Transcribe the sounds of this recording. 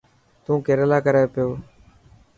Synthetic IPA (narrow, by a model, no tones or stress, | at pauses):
t̪ũːkeːɾəlaːkəɾaːepɪjoː